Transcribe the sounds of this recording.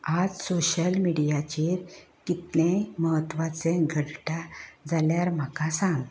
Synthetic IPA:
ad͡zsoɕəlmiɽijat͡ɕiɾ | kit̪lẽməɦət̪ʋat͡sẽɡʱəɽʈad͡zaljaɾm̤akasãŋɡ

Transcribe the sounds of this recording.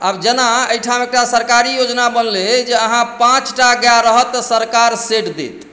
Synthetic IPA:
abd͡ʒənaəjʈʰamek̚ʈasəɾkaɾijod͡ʒnabənled͡ʒeəɦãpãt͡ʃʈaɡjaɾəɦət̪ːsəɾkaɾseʈd̪ḛt̪

